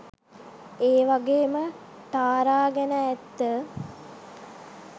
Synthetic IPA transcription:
eːʋaɡeːmə | t̪aːɾaːɡɛnəːt̪ːə

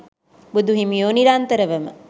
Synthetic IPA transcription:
bud̪uɦimijoːniɾant̪əɾəʋɐmə̰

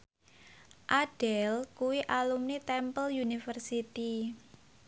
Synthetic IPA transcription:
ʔaɖ̥ɛlkuwiʔalumnit̪ɛmpəljunifərsit̪i

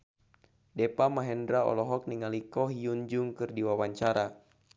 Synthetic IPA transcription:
dɛpamaɦɛndɾaɔ̰lɔɦɔk̚niŋalikɔɦiuɲd͡ʒʊŋkɨrdiwawaɲt͡ʃaɾa

